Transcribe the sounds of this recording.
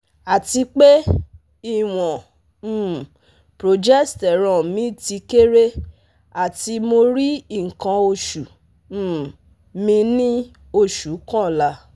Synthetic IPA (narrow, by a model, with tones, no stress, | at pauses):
a˨ti˧k͡pe˦ | i˦˨w̃ɔ̃˨ | pɾo˨d͡ʒɛ˦stɛ˨ɾ̃ã˨mĩ˨˦ti˧ke˦ɾe˦ | a˨ti˧mo˧ɾi˦i˦˨ŋ̩˨kã˧o˧ʃu˨ | mĩ˧nĩ˦ | o˧˨ʃu˨˦kã˦˨la˧˦